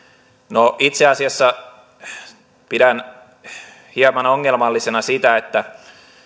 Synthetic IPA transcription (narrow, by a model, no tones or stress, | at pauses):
noʔit̪seɑsiɑsːɑ | pidæn | hiɑpɑnoŋːelmɑlːisenɑsit̪æet̪ːæ